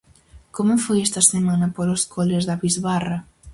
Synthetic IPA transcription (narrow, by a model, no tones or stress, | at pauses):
komʊfojɛst̪ɐsemanɐpoɾoskʰolezðɐβizβarɐ